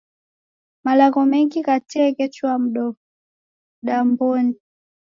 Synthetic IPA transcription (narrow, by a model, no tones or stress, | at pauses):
malakɔmɛŋɡikatɛːkɛt͡ʃwam̩ɗɔ | ɗambɔni